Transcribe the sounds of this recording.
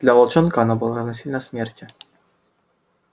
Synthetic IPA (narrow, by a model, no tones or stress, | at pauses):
d̥̪lʲavɐlˠt͡ʃonkəɐnabɨlˠəɾɐvnɐsʲinʲnɐsmʲertʲɪ